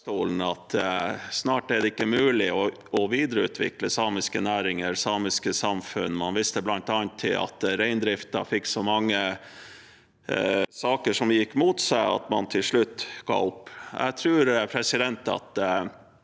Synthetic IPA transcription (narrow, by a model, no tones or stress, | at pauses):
t̪uːln̩ɑt̪snɑːʈæɖ̪ɛɪkːəmʉːlɪɔ | ɔʋiːd̪əɾəʉ̰ːt̪ʰʋɪ̰kləsɑːmɪskənæːɾɪŋəɾsɑːmɪskəsɑmfʉ̰nːmɑnʋɪst̪əblɑnt̪ɑːnt̪ʰːɪlɑ̰t̪ɾæɪnd̪ɾɪft̪ɑ̰fɪkːsɔmɑŋːə | sɑːkəʂɔmjɪkːmuːt̪sæɪɑ̰t̪mɑnt̪ʰɪlʂɭʉt̪ːɡ̥ɑ̰ːʊpːæ̰t̪ʰɾʉːɾpʰɾɛsɪd̪ɛnt̪ɑ̰t̪